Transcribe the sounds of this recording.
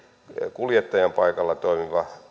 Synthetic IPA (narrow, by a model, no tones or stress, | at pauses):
kuljet̪ːɑjɑmpɑikɑlːɑt̪oimiʋɑ